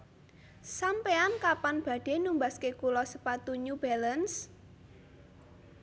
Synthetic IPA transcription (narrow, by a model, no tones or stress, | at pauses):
sampeankapanb̥ä̤ɖ̥e̤numbaskekulɔsəpat̪uɲub̥ɛləns